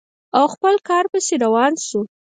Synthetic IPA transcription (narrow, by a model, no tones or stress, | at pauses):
awxpəlkɑɾpəseɾawɑnʃu